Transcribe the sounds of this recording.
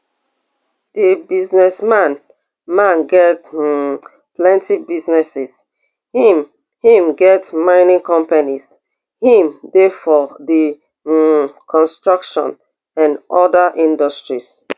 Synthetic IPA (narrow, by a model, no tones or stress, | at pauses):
d̥ibiznɛsmãn | mãnɡɛt | plɛ̃ntibiznɛsɛs | m | hĩmɡɛtmãɪnĩŋkɔ̃mpanis | hĩmdefɔdi | kʰɔ̃nstɹɔkʃɔ̰̃n | ãnʔɔdaʔĩndɔstɹis